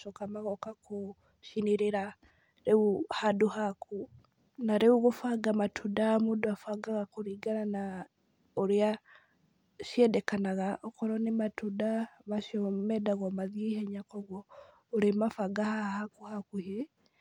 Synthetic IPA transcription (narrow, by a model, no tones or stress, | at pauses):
ʃokamaɣɔkakʰo | ʃineɾeɾa | ɾeuhadohaku | naɾeuɣofaɡamatʰudaamoːdoafaɡaɣakoɾiɡanana | oɾea | ʃjɛdɛkanaɣaʔɔkɔɾɔnematudaβaʃiɔmɛdaɣwamaðieihɛɲakɔɣwɔ | oɾemafaɡahahakuhakuɦe